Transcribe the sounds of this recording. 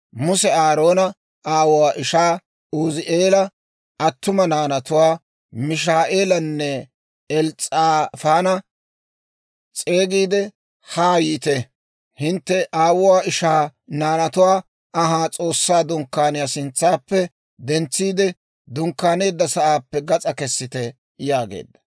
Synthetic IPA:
mʊsɛaːɾo̞ːnɐ | aːwʊwaːʔɪʃaː | ʊzɪʔeːlɐ | ɐt̪ːʊmɐnaːnɐt̪ʊwaː | mɪʃ̬aːʔeːlɐnːɛ | ɛlt͡sʼːaːfaːnɐ | t͡sʼe̞ːɡiːd̪ɛ | haːjiːt̪ɛ | hɪnt̪ːɛʔaːwʊwaːɪʃaːnaːnɐt̪ʊwaː | ɐɦaːt͡sʼo̞ːsːaːd̪ʊŋkːaːnɪjasɪnt͡sːaːpːɛ | d̪ɛnt͡sːiːd̪ɛ | d̪ʊŋkːaːne̞ːd̪ːɐsɐʔaːpːɛɡɐt͡sʼɐkɛsːɪt̪ɛ | jaːɡḛːd̪ːɐ̥

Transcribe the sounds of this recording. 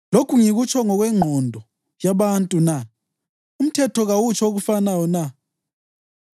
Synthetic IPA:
lokʰuŋiɣut͡ʃʰɔŋɔɣwɛŋ͡ǃʱɔndʱɔ | jaβantʼuna | um̩tʰɛtʰɔɣawut͡ʃʰɔoɣufanajɔna

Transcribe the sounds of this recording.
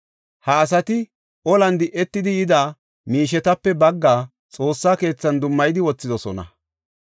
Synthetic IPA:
hɐːs̬ɐt̪ɪ | ʔɔlɐnd̪ɪʔːɛt̪ːɪd̪ɪjɪd̪aː | miːʃ̬ɛt̪ɐpːɛbɐɡːaː | t͡sʼo̞ːsːaːke̞ːt͡sːɐnd̪ʊmːɐjd̪ɪwɔt͡sːɪd̪ɔsɔnɐ̰

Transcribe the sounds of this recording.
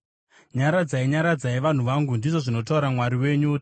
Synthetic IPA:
ɲaɾad͡zaiɲaɾad͡zaiʋan̤uʋaŋɡundiʐo̞ʐino̞t̬auɾamwaɾiwe̞ɲu

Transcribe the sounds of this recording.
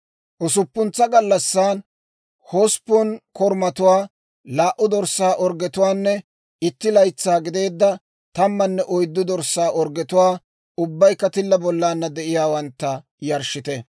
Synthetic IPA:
ʔʊsʊpːʊnt͡sːɐɡɐlːɐsːaːn | hoːspːɔnkɔɾmɐt̪ʊwaː | laːʔʊd̪ɔɾsːaːʔɔɾɡɛt̪ʊwaːnːɛ | ɪt̪ːɪlɐjt͡sːaːɡɪd̪e̞ːd̪ːɐ | t̪ɐmːɐnːɛʔɔjd̪ːʊd̪ɔɾsːaːʔɔɾɡɛt̪ʊwaː | ʊbːɐjkːɐt̪ɪlːɐbɔlːaːnːɐd̪ɛʔɪjaːwɐnt̪ːɐ | jɐɾʃɪt̪ɛ

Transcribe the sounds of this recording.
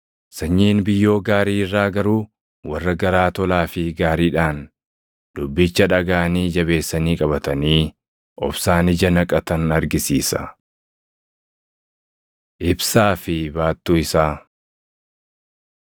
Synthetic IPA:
sɐɲːiːnbɪjːo̞ːɡaːɾiːɪrːaːɡɐɾuː | wɐrːɐɡɐɾaːt̪ɔlaːfɪɡaːɾiːᶑaːn | d̪̥ʊbːɪt͡ʃːɐᶑɐɡaːniːd͡ʒɐbe̞ːsːɐniːkʼɐβɐt̪ɐniː | ʔɔ̰bsaːnɪd͡ʒɐnɐkʼɐt̪ɐnɐɾɡɪsḭːsɐ̰ | ʔɪbsaːfɪbaːt̪ːuːɪsaː

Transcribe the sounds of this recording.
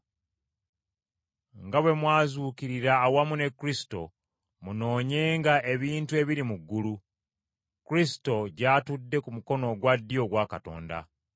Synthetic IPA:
ŋɡaβwe̞mwaːzuːkiɾiɾaːwamune̞kːuɾisi̥to̞̰ | muno̞ːɲe̞ːŋɡaʔe̞βiːntue̞βiɾimuɡːulu | kuɾisi̥to̞ɟaːtudːe̞kumuko̞no̞ɡwadːjo̞ɡwakato̞̰ːnda̰

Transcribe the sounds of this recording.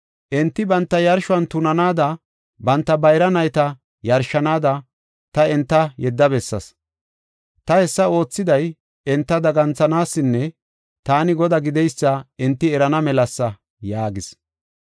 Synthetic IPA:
ʔɪnt̪ːɪbɐnt̪ːɐjɐɾʃʊɐnt̪ʊnɐnaːd̪ɐ | bɐnt̪ːɐbɐjɾɐnɐjt̪ɐ | jɐɾʃːɐnaːd̪ɐ | t̪ɐɪnt̪ːɐjɛd̪ːɐbɛsːɐ̰s | t̪ɐhɛsːɐo̞ːt͡sːɪd̪ɐj | ɛnt̪ːɐd̪ɐɡɐnt͡sɐnaːsːɪnːɛ | t̪aːnɪɡɔd̪ɐɡɪd̪ɛjsːɐɪnt̪ːɪɛɾɐnɐmɛlɐsːɐ | jaːɡɪs

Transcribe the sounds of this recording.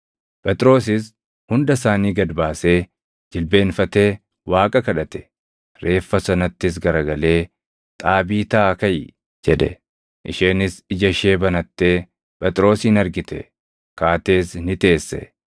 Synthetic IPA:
pʼɛt̪ʼɾo̞ːsɪs | hʊnd̪ɐsaːniːɡɐd̪baːse̞ː | d͡ʒɪlbe̞ːnfɐt̪e̞ː | waːkʼɐkɐᶑɐt̪ɛ̥ | ɾe̞ːfːɐsɐnɐt̪ːɪs̬ɡɐɾɐɡɐle̞ː | t̪ʼaːbiːt̪aːkɐj | d͡ʒɛᶑɛ̰ | ʔɪʃeːnɪsɪd͡ʒɐʃe̞ːbɐnɐt̪ːe̞ː | pʼɛt̪ʼɾo̞ːsiːnɐɾɡɪt̪ɛ̰ | kaːt̪e̞ːsnɪt̪e̞ːsːɛ̰

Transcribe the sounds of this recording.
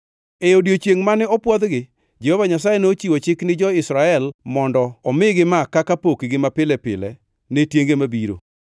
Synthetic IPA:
eodjot͡ʃjeŋmanɛɔpwɔd̪ɡɪ | d͡ʒɛhovaɲas̬ajenot͡ʃiwot͡ʃɪknɪd͡ʒɔɪsɾaɛlmɔndɔːmɪɡɪmakakapokɡɪmapɪlɛpɪ̰lɛ̰ | netjeŋɡemabiɾo̰

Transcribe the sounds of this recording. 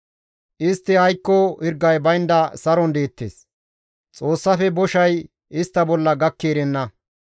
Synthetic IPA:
ʔɪst̪ːɪhɐjkːɔhɪɾɡːɐjbɐjnd̪ɐsɐɾɔnd̪e̞ːt̪ːeːs | t͡sʼoːsːɐfɛbɔʃɐj | ɪst̪ːɐbɔlːɐɡɐkːeːɾɛnːɐ

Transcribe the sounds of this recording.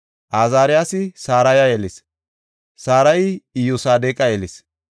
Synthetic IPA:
ʔaːzaːɾɪjaːsɪsaːɾɐjɐjɛlɪs | saːɾɐjɪjʊsaːd̪eːkʼɐjɛlɪs

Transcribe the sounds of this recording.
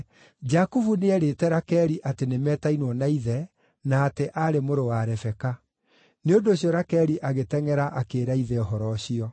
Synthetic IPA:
d͡ʒakuvuneɛɾetɛɾakɛɾiʔatenemɛːtainwɔnaiðɛ | naːteʔaɾemoɾowaɾɛfɛka | neondoːɕiɔɾakɛɾiʔaɣetɛŋɛɾaʔakeːɾaiðɛɔɦɔɾɔɕiɔ

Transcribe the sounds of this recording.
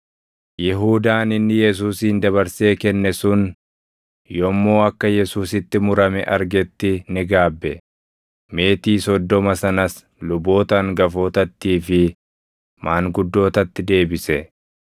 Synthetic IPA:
jɪɦuːd̪aːnɪnːɪjɛs̬uːsiːnd̪ɐβɐɾse̞ːkɛnːɛsʊn | jɔmːo̞ːɐkːɐjɛsuːsɪt̪ːɪmʊɾɐmɛ̰ʔɐɾɡɛt̪ːɪnɪɡaːbːɛ | me̞ːt̪iːsɔd̪ːɔmɐsɐnɐs | lʊbo̞ːt̪ɐŋɡɐfo̞ːt̪ɐt̪ːiːfɪ | mʔaːŋɡʊd̪ːo̞ːt̪ɐt̪ːɪd̪e̞ːbɪsɛ

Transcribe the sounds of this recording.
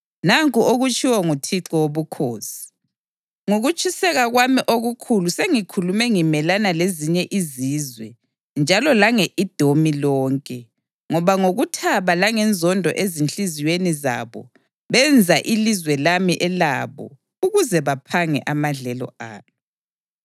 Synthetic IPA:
naŋkʼuoɣut͡ʃʰʼiwɔŋutʰiǁɔwoβukʰoːsi̥ | ŋoɣut͡ʃʼisɛɣaɣwamiʔoɣukʰuluseŋikʰulumɛŋimɛlanaleziɲɛʔiziːzwɛ | nd͡ʒʱalɔlaŋeʔid̥ʱomilɔːŋkʼɛ | ŋɔβaŋoɣutʰaβalaŋɛnd͡zʱɔndʱɔ̰ʔezint͡ɬiziweniza̰βɔ̰ | βɛnd͡zʱaʔilizwɛlamiʔɛla̰βɔ̰ | uɣuzɛβapʰaŋɛ̰ʔamaɮɛlɔ̰a̰ːnɔ

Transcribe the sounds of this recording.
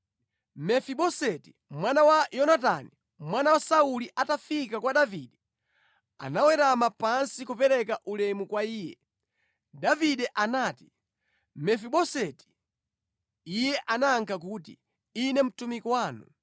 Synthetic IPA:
mɛfiɓɔsɛti̥ | mwanawajɔnatani | mwanawasauliʔatafikakwaɗaviɗɛ | a̰nawɛɾamapansikupɛɾɛkaʔulɛmukwaiːjɛ | daviɗɛʔanaːti̥ | mɛfiɓɔsɛti̥ | ijɛʔanaːŋkʰak̬uːt̬ḭ | inɛm̩tumikwaːnṵ

